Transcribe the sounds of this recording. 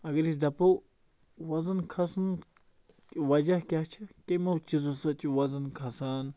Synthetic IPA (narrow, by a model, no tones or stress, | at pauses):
ɐɡɐɾis̬d̪ɐpɐw | wɐzɐnkʰɐsn | ʋɐd͡ʒɐhkʲat͡ʃʰɐkemɐwt͡ʃizusɐtʲiwɐzɐnkʰɐsaːn